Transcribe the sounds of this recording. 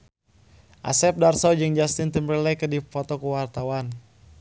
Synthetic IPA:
ʔa̰sɛp̚darsɔd͡ʒɨŋd͡ʒast̪int̪əmbəlɛkədifɔt̪ɔkəwart̪awan

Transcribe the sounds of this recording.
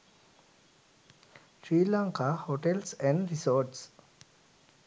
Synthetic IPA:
ʃɾiːlãŋkahoʈelsɛ̃ɳɖɾisɔːɾʈs

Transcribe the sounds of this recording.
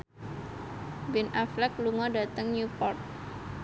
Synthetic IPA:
bɪnaflɛkluŋɔdat̪əŋɲupɔrt̪̚

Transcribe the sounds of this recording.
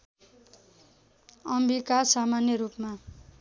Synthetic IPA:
ʌmbikasamanjʌɾupma

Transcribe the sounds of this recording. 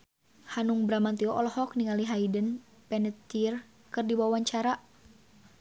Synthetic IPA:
hanuŋbɾamant̪iɔʔɔlɔhɔk̚niŋaliɦaidən | pɛnət̪ːir | kɨrdibawaɲt͡ʃaɾaʔ

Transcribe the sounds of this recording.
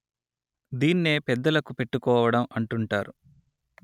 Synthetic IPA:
d̪iːnːe̞ːpɛd̪ːɐlɐkupe̞ʈːukɔːʋɐɽɐmɐɳʈuɳʈaːɾu

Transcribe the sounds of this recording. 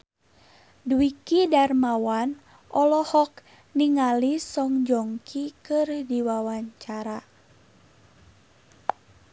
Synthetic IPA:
duwikidarmawan | ʔɔlɔhɔk | niŋalisɔŋd͡ʒɔŋkʰikɨrdiwawaɲt͡ʃaɾa

